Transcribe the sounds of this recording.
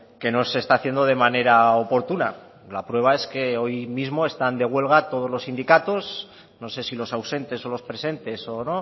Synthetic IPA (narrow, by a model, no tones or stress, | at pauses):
ke̞no̞se̞st̪aθje̞nd̪o̞ð̞e̞mane̞ɾaopo̞ɾt̪una̰ | lapɾwe̞β̞ae̞ske̞o̞jmizmo̞e̞st̪and̪e̞ɣ̞we̞lɣ̞at̪o̞ð̞o̞zlosind̪ikat̪o̞s | no̞se̞silo̞sawse̞nt̪e̞so̞lo̞spɾe̞se̞nt̪e̞so̞no̞